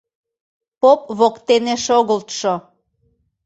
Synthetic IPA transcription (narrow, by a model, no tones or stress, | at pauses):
pop̚βokt̪eneʃoɣəlt̪ʃo